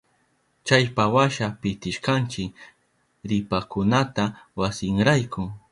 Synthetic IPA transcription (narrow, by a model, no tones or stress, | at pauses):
t͡ʃajpawaʃapɪt̪ɪʃkant͡ʃɪk | ɾɪpakʊnat̪awasɪŋɾajkʊ